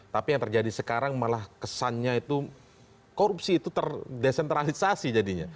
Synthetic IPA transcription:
t̪apijaŋt̪ərd͡ʒadisəkaɾaŋmalahkəsanɲait̪u | koɾupsiːt̪ut̪ərdesɛnt̪ɾalisasid͡ʒadiɲa̰

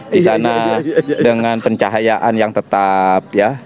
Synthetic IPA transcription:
isanadəŋŋanpəɲt͡ʃaɦajaʔanjaŋt̪ət̪ap̚ja

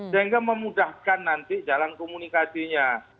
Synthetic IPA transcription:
səɦiŋɡaməmudahkanːant̪id͡ʒalankomunikasiɲa

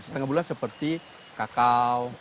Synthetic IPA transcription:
sə̥t̪əŋahbulansəpərt̪i | kakaw

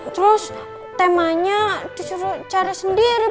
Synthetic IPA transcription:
t̪ɾus | t̪ɛmaɲat̪isuɾut͡ʃaɾasəndiɾi

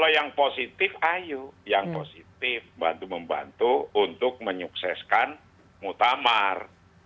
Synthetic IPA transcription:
lojaŋposit̪ɪfajujaŋposit̪ɪfba̰nt̪uməmba̰nt̪uːnt̪ʊk̚məɲuksɛskan | mut̪amar

